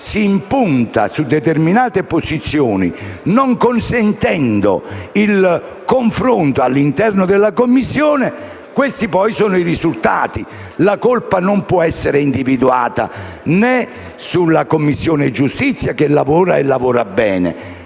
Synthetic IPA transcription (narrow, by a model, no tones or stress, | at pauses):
siːmpunt̪a̰sud̪ːet̪erminaːt̪eposit̪sːjɔːnḭnoŋkonsɛnt̪ɛnd̪o̰il | koɱfɾont̪oalːint̪ɛrnod̪elːakomːisːjɔːne | kwest̪ipɔjsɔːnʊirizult̪a̰ːt̪i | lakolpanompwɔɛsːeɾeind̪ivid̪ua̰ːt̪a̰ | nɛ | sulːakomːisːjɔːned͡ʒːust̪it̪sːjakelːavɔːɾaḛlːavɔːɾabːɛːnḛ